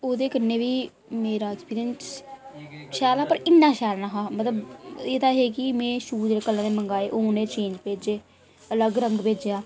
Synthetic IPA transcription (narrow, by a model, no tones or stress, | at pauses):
oːd̪eːkəneːʋiː | meːɾaːɛkspiːɾɪjəns | ʃaːlaːpəɾɪnːãːʃaːlnaːɦaːmət̪ləbeːd̪aːɦeːkɪmẽːʃuːd͡ʒeːekəlːãːd̪eːməŋɡaːeːʔoːneːt͡ʃẽːɲd͡ʒpeːd͡ʒeː | ələɡɾəŋɡpeːd͡ʒejaː